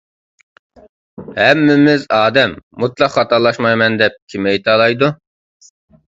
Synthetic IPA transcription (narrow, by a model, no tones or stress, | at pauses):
hɛmːɪmɪzɑːd̪ɛmːut̪lˠɑqχɑt̪ɑɾlˠɑʃmɑjmɛnd̪ɛp̚kʲʰimɛjt̪ʰɑlˠɑjd̪u